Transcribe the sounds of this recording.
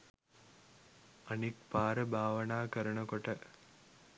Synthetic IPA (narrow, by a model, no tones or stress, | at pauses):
ɐnik̚paːɾəbʱaːʋənaːkəɾəɳəkoʈə